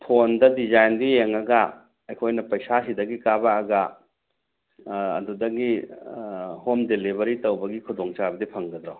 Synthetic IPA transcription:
pʰondɐdizajndijeŋɐɡɐ | ɐjkʰojnɐpɐjsasidɐɡikabaːɡɐ | dudɐɡi | homdelibɐɾitɐwbɐɡikʰudoŋt͡ʃabɐdipʰɐŋɡɐd̪ɾo

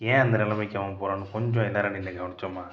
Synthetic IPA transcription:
ẽːɐnd̪ɐnɛlɐmɐkːɐmɐ̃poːɾaːnːɯkɔɲd͡ʒõɛlːaːɾɐninːɐɡɐʋɐɳɪt͡ʃːomːaː

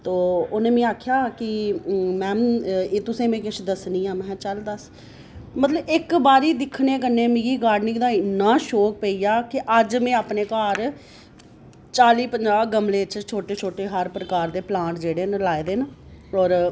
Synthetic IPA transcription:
t̪oːonẽːmẽːaːkʰjaːkɪmɛ̃ːeːt̪ʊsẽːmẽːkɪʃʰd̪əsniːãːmɛ̃ːt͡ʃəld̪əs | mət̪ləbɪkbaːɾiːd̪ɪkʰneːk̬əɾneːmĩːɡiːɡaːɖnɪ̃ŋɡd̪aːɪnːãːʃoːk̚peiːjaːkɪʔəd͡ʒmɛ̃ːaːpneːkaːɾ | t͡ʃaːliːpəɲd͡ʒaːɡəmlẽːt͡ʃt͡ʃʰoːʈeːt͡ʃʰoːʈeːɦəɾpɾəkaːɾd̪eːplãːʈd͡ʒeːɽeːnlaːeːd̪eːnaɔːɾ

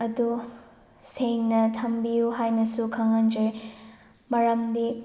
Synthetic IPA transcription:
ɐdu | seŋnɐtʰɐmbijuɦajnɐsukʰɐŋand͡ʒɐɾe | mɐɾɐmdi

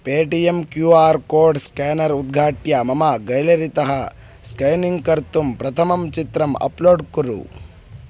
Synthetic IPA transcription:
peːʈijemkjuːaːɾkoːɾɖskaːnɐɾud̪̚ɡʱaːʈjɐmɐmɐɡɐjlɐɾit̪ɐɦɐ | skɐjniŋɡkɐɾt̪umpɾɐt̪ʰɐmɐmt͡ʃit̪ɾɐmɐ̰ploːɖkuɾṵ

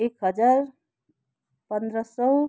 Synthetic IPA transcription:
ekɦʌd͡ʒaɾ | pənd̪ɾəsʌw

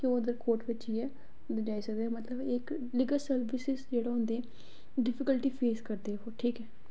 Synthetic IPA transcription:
keod̪əɾkoːʈʋɪt͡ʃiːɛː | d̪əd͡ʒaːiːsəɡd̪eːmət̪ləbɪk | liːɡəlsəɾbɪsɪzd͡ʒeːɽaːɦʊ̃nd̪eːɛ̃ː | ɖɪpʰɪkəlʈiːpʰeːskəɾd̪eːɦɛːʈʰiːkɛː

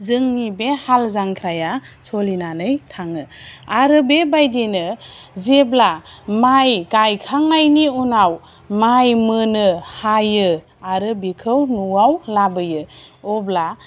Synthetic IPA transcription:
zɯŋnibehalzaŋkʰɾajasɔlinanɯjtʰaŋɯaɾɯbebajdinɯzeblamajɡajkʰaŋajniunaw | majmɯnɯhajɯ | aɾɯbikʰɯwnuawlabɯjɯɔbla

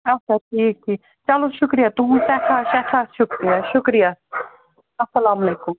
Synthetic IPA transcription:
ɐt͡ʃʰaʈʰiːk̚ʈʰiːk | t͡ʃɐloʃʊkɾijat̪ʊɦũsɛːkʰaːʃaːt͡ʃʰaːʃʊkɾijaːʃʊkɾijaː | ɐsːɐlaːmɐleːkʊm

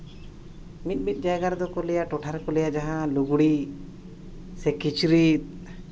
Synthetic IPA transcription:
mit̪̚ˀmit̪̚ˀd͡ʒajɡaɾd̪ɔkɔlɛjaʈɔʈʰaɾkɔlɛjad͡ʒaɦãluɡuɽi | sɛkit͡ʃɾit̪̚

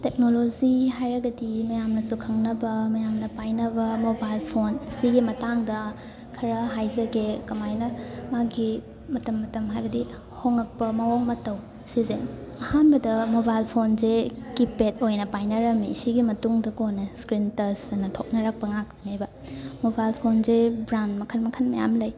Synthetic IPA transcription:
tek̚noloziɦajɾɐɡɐdimɐjamnɐsukʰɐŋnɐbɐmɐjamnɐpajnɐbɐmobajlpʰonsiɡimɐtaŋdɐ | kʰɐɾɐɦajzɐɡekɐmajnɐmaɡi | mɐtɐmːɐtɐmɦajbɐdi | hoŋɐk̚pɐmɐwoŋmɐtɐw | sizḛn | ɐhanbɐdɐmobajlpʰonzekipetojnɐpajnɐɾɐmḭsiɡimɐtuŋdɐkonɐskɾintɐsɐnɐtʰok̚nɐɾak̚pɐŋak̚tɐnajbɐ | mobajlpʰonzebɾandmɐkʰɐnmɐkʰɐnmɐja̰mlɐj

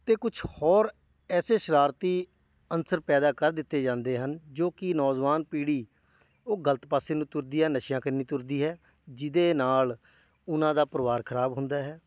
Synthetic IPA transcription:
t̪eːkʊt͡ʃʰhɔːɾ | ɛːseːʃəɾaːɾt̪iː | ənsəɾpɛːd̪aːkəɾd̪ɪt̪ːeːd͡ʒãːnd̪eːɦənd͡ʒoːkɪnɔːd͡ʒʋaːnpiːɽiː | oːɡələt̪paːseːnũːt̪ʊɾd̪iːɦɛːnəʃjãːkənːiːt̪ʊɾd̪iːɦɛː | d͡ʒɪd̪eːnaːl | ʊnãːd̪aːpəɾʋaːɾkʰəɾaːbɦʊ̃nd̪aːɦɛː

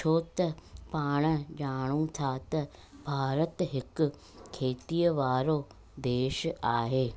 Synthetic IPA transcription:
t͡ʃʰoːt̪əpaːɽ̃d͡ʒaːɽ̃ũt̪ʰaːt̪ɐ | bʱaːɾət̪ɦɪk | kʰːeːt̪iːəʋaːɾoː | d̪eːʃaːɦeː

